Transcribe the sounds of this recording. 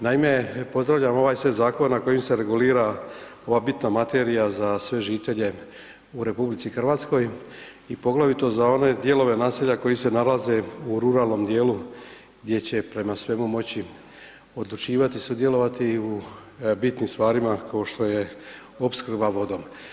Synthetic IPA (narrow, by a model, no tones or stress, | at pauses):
naime̞po̞zd̪ɾavʋʎamo̞ʋaːjsʋezaːko̞nenako̞jimse̞ɾe̞ɡuliːɾa | o̞ʋaːbit̪namat̪e̞ːɾijazasʋe̞ʒiːt̪e̞ʎe̞ | uɾe̞publit̪sixr̩ʋaːt̪sko̞j | ipo̞ɡlaʋit̪o̞zao̞ne̞d̪je̞lo̞ʋe̞naːseʎako̞jise̞nalaze̞uɾuɾaːlˠno̞md̪je̞ːlu | ɡd̪je̞t͡ɕe̞pɾe̞masʋe̞mumo̞t͡ɕi | o̞d̪lut͡ʃiːʋat̪isud̪je̞lo̞ʋat̪iubit̪nimst̪ʋaːɾimakao̞ʃt̪o̞je̞ | o̞pskr̩baʋo̞d̪o̞m